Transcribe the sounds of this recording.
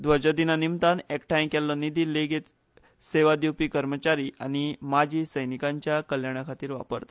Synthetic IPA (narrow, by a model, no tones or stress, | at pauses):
d̪ʋəɾd͡ʑad̪inanimt̪anekʈajmkɛlːɔnid̪iːleɡet̪ | seʋad̪iwpiːkəɾmət͡ɕaɾiːʔañimad͡ʑʱiːsəjnikaɲt͡ɕjakəljaɽ̃akʰat̪iːɾʋa̰pə̰ɾt̪a